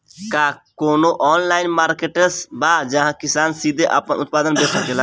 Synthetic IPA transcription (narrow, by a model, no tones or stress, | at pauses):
kaːkoːnoʔɔːnlaːɪnmaːɾkeːʈesbaːd͡ʒəɦãkɪsaːnsiːd̪ʱeʔa̰pənʊt̪̚paːd̪ənbeːkʰəkeːla